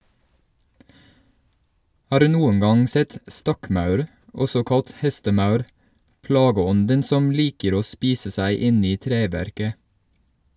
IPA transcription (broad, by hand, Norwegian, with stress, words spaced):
ˈhɑːɾ ˈʉː ˈnuːəŋ ˈɡɑŋ ˈsɛt ˈstɔkˌmɑʉɾ ˈɔsɔ ˈkɑlt ˈhɛstəˌmɑʉɾ ˈplɑːɡəˌɔndən ˈsɔm ˈliːkəɾ ˈoː ˈspiːsə ˈsæɪ ˈɪn ˈiː ˈtɾeːʋæɾkə